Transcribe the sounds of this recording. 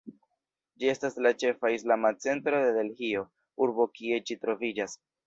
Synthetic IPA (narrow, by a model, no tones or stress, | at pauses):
d͡ʒie̞staslat͡ʃe̞faislamat͡se̞ntɾo̞d̪e̞de̞lhio̞ | uɾbo̞kie̞d͡ʒitɾo̞vid͡ʒas